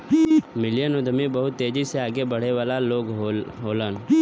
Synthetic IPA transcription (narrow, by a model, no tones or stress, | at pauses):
mɪljənʊd̪mibɐɦʊt̪ːeːd͡ʒiseaːɡebɐɽ̤eʋaːlaloːɡɦoːlən